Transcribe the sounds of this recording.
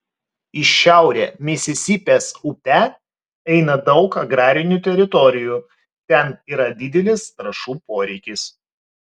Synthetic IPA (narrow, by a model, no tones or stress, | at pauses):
ɪʃʃʲæˑʊɾʲḛːmʲɪsʲɪsʲiːpʲeːsʊpʲɛ | ɛɪnɐd̪ɒʊkɐɡɾɑːɾʲɪnʲuˑt̪ʲɛɾʲɪt̪ɔɾʲɪjuː | t̪ʲɛniːɾɐd̪ʲɪd̪ʲɛlʲɪsɾɐʃuːpoːɾʲɛɪkʲɪs